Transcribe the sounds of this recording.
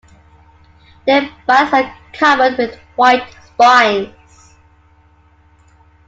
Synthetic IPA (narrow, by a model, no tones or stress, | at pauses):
ðəb̥ʌsəkʰʌvəd̚wɪð | waɪtspaɪ̃nz̥